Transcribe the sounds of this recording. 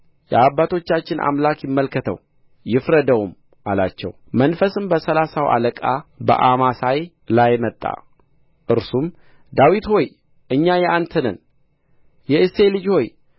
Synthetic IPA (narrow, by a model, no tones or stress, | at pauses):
jɛabːat̪ʰo̞t͡ʃːat͡ʃːɪnʔa̰mlakjɪmːəlkʰət̪ʰə̰w | jɪfɾəd̪əwum | ʔala̰t͡ʃːɛ̰w | mənfəsɨmbəsəlasawʔa̰ləkʼabə̰ʔamasaj | lajmət̪ʼːa̰ | ʔɨɾsum | d̪awit̪ho̞j | ɨɲːajɛʔant̪ʰənən | jɛɨselɨd͡ʒho̞j